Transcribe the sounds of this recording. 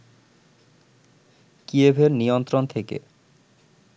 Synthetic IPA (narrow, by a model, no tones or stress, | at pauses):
kiebʱeɾnijont̪ɾont̪ʰekḛ